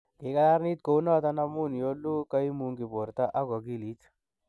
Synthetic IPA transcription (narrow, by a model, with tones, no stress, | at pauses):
kɪ˨ka˦la˦ɾni˦t̪̚ko˨wnɔ˦t̪a˦na˦mu˦njo˦lu˦ka˦i˦mu˦ŋɡɪ˨bo˨ɾt̪a˦ʔa˦ɡɔ˨ɡi˦li˦t̪